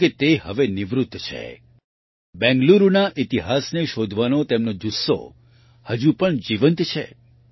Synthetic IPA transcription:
ket̪ehə̰ʋeniʋɾut̪ːt͡ʃʰḛ | bɛ̃ŋɡluɾunaʔit̪iɦasneʃod̪ʱʋanot̪emnod͡ʒusːo̰ | həd͡ʒupəɳd͡ʒiʋənt̪t͡ʃʰḛ

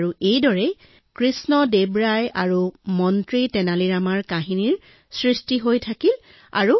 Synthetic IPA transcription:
ɹuejdɔɹɛ | kɹisnɔdebɹajaɹumɔntɹitɛnaliɹamaɹkaɦiniɹ | sɹistiɦojtʰakil | a̰ɹu

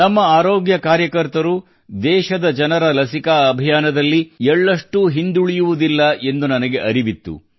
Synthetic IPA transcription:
nɐmːɐaːɾoːɡjɐkaːɾjɐkɐɾt̪ɐɾu | d̪ɛːʃɐd̪ɐd͡ʒɐnɐɾɐlɐsikaɐbʱijaːnɐd̪ɐlːiɛɭːɐʂʈuɦind̪uɭijuʋud̪ilːɐʔe̞nd̪unɐnɐɡe̞ʔɐɾibit̪ːṵ

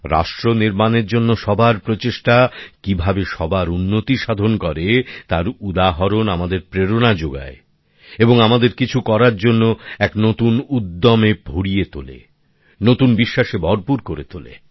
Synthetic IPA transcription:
ɾa̰ʃʈɾoniɾmaneɾd͡ʑonːoʃɔbʱaɾpɾot͡ɕeʃʈakibʱabeʃɔbaɾunːot̪iʃad̪ʱonkɔɾet̪aɾud̪aɦɔɾonamad̪eɾpɾeɾonad͡ʑoɡa̰e | eboŋamad̪eɾkit͡ɕʰukɔɾaɾd͡ʑonːoɛknot̪unud̪ːomebʱoɽijet̪o̰lḛ | not̪unbiʃːaʃebɔɾpuɾkoɾet̪olḛ

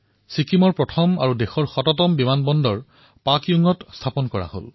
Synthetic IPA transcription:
sikʰimɔɹpɹɔtʰɔma̰ɹudexɔɹxɔtɔtɔmbimanbɔndɔɹ | pakiuŋɔtstʰapɔnkɔɹa̰ho̰l

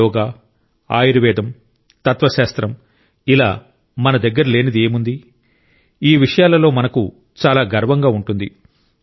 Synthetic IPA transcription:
ɔːɡaː | a̰ːjiɾiʋɛːd̪ɐm | t̪ɐt̪ʋɐʃaːst̪ɾɐm | ila̰ː | mɐnɐd̪ɐɡːɐɾule̞ːnid̪ieːmund̪i | iːʋiʂɐjaːlɐlo̞ːmɐnɐku | t͡ʃaːlaːɡɐɾʋɐŋɡaːuɳʈund̪i

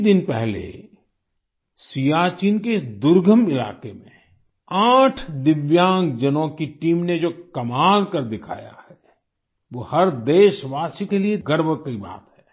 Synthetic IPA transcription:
d̪ɪnpɛɦlḛ | sijaːt͡ʃiːnkeɪsd̪ʊɾɡʱəmɪla̰ːkemḛ̃ | aːʈʰd̪ɪʋjãːŋɡd͡ʒənõkiʈiːmned͡ʒoːkɐmaːlkɐɾd̪ɪkʰa̰ːja̰hɛ | ʋoːhɐɾd̪eːʃʋaːsikelieɡəɾbəkiba̰ːt̪ɦɛ̥ː

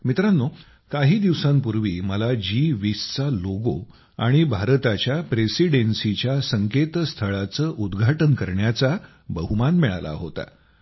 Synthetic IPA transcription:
mit̪ɾanːo | kaɦiːd̪iʋsãmpuɾʋiːməlad͡ʑiʋist͡saloɡo̰ | aɽ̃ibʱaɾt̪at͡ɕjapɾesiɽensit͡ɕjasəŋket̪st̪ʰəɭat͡səːʔud̪ɡʱaʈənkəɾɳjat͡sa | bəɦumanmɛɭa̰la̰ɦo̰t̪a̰

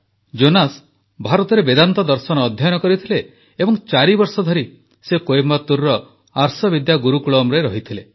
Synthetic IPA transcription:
d͡ʒonas | bʱaɾɔt̪ɔɾebed̪ant̪ɔd̪ɔɾsɔnɔːd̪ʱjajɔnɔkɔɾit̪ʰileː | bɔŋt͡ʃaɾibɔɾsɔd̪ʱɔɾi | sekojemɔt̪uɾːɔ | aɾsɔbid̪jaɡuɾukuɭɔmɾeɾɔɦit̪ʰile

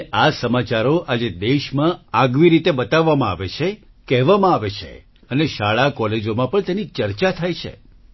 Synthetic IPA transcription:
ʔasəmat͡ʃaɾoʔad͡ʒed̪eʃmãaɡʋiɾit̪ebət̪aʋːamãa̰ʋet͡ʃʰe | kɛɦʋamãaʋet͡ʃʰḛ | əneʃaɭakɔled͡ʒomãpəɳt̪enit͡ʃəɾt͡ʃat̪ʰajt͡ʃʰḛ

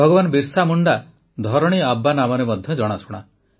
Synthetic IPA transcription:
ɔɡɔbanɔbiɾsamuɳɖa | d̪ʱɔɾɔɽ̃iabːanamɔɾemɔd̪ʱjɔd͡ʒɔɽ̃asuɽ̃a̰

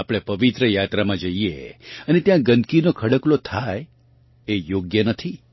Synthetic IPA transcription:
apɽ̃epəʋit̪ɾəjat̪ɾamãd͡ʒəiḛənet̪jãɡənd̪kinokʰəɽəklot̪ʰaj | ejoɡjənət̪ʰi

